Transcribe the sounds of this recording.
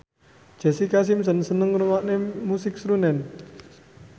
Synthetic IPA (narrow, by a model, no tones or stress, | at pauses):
d͡ʒ̥a̤sikas̬ɪmsənsənəŋɾumaʔnemusɪk̚sɾunɛn